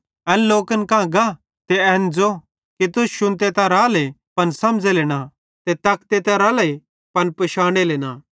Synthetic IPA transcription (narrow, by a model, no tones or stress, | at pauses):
ɛ̃ːlloːkənkãːɡa | t̪eɛːnd͡zo | kit̪ʊsʃʊ̃nt̪et̪ãɾaːlepɐnsɐmd͡zeleːña | t̪et̪ɐkt̪et̪ɐ̃ɾaːle | pɐnpɐʃaːɽ̃eleːnaː